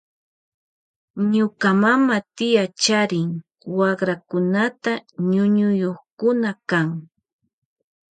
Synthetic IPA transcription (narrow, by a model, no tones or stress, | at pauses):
ɲʊkamamat̪ɪjat͡ʃaɾɪŋ | wɑχɾakʊnat̪aɲʊɲʊjoχkʊnakaŋ